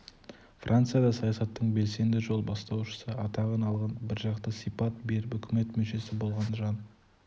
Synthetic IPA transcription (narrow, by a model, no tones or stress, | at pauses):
frʔant̪sɨjɑd̪ɑsɑjɑsɑt̪ːəɴbe̞lse̞nd̪ɪʒo̞lˠbɑst̪ɑwʃə̥səɑt̪ɑʁənɑlˠʁɑnbɪɾʒɑqt̪əsijpɑt̪̚be̞ɾɪpʏkʲɪme̞t̪mɵʃe̞sɪbo̞lˠʁɑnʒɑn